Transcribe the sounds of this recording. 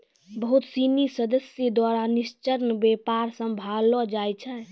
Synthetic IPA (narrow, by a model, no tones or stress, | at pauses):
bəɦut̪sinisəd̪əsjəd̪waɾanist͡ʃəɾnbepaɾsəmbʱalɔd͡ʒajt͡ʃʰɛ